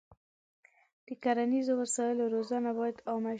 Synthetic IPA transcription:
d̪̥əkaɾanizowasɑjɪloɾozɑnabɑjad̪ɑma

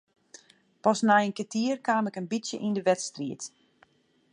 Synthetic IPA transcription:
pɔsnajənkətʰiərkaːmɛkənbisjə̰ʔindəʋɛtstriət

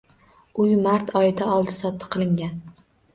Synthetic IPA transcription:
ʊjmaɾt̪ʰɒjɪd̪aɒlˠd̪ɪsɒt̪ʰːɨ̥qʰɨlˠɪŋɡʲan

